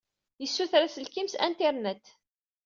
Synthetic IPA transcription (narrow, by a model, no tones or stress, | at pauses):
jəsːuθɾæsəlkimsæ̰nt̪iɾnæt̪ː